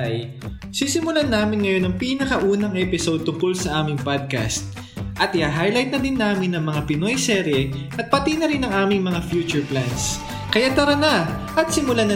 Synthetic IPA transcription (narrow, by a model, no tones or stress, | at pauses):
j | sisɪmʊlanaːmɪnŋɐjo̞nːɐŋpiːnɐkɐʔuːnɐŋʔɛpɪsod̪̚t̪ʊŋkolsɐʔaːmɪŋpad̪̚ka̰st̪̚ | ʔɐt̪ʔɪjaːɦajlajt̪̚nɐd̪ɪnːaːmɪnːɐŋmɐŋapɪno̞jsɛɾjɛ | ʔɐt̪̚pɐt̪inɐɾɪnːɐŋaːmɪŋmɐŋafjuːt͡ʃʊɹplans | kɐjat̪ɐɾɐna | ʔɐt̪sɪmʊlanɐ